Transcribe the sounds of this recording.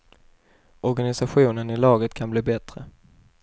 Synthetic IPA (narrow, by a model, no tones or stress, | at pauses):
ɔɾɡanɪsaɧuːnənɪlɑːɡət̪kʰanbliːbɛt̪ɾə